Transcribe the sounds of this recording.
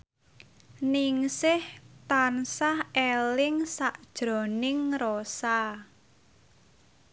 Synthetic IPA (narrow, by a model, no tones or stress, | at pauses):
niŋsɪht̪ansahelɪŋsaʔd̥ʒ̥ɾɔ̤nɪŋrosa